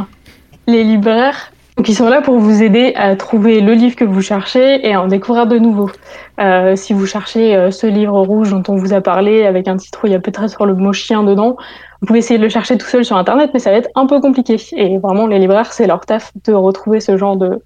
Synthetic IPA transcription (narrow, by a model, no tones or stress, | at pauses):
lelibʁɛʁ | d̪ɔ̃kisɔ̃lapuʁvuzed̪eʔat̪χuveləlivʁkəvuʃɛʁʃeeaɑ̃d̪ekuvʁiʁd̪ənuvoøsivuʃɛʁʃeøsəlivʁəʁuʒd̪ɔ̃t̪ɔ̃vuzapaʁleavɛkɛ̃pət̪i̥t̪χujapøt̪ːχɛsyʁləmɔʃjɛ̃d̪əd̪ɑ̃ | ũpuveesejed̪ələʃɛʁʃet̪u̥sœlsyʁɛ̃t̪ɛʁnɛt̪mɛsavaɛt̪χɛ̃pøkɔ̃p̬likʲeːvʁɛmɑ̃lelibʁɛʁsɛlœʁt̪afd̪̥əʁət̪χuvesəʒɑ̃ʁd̪ə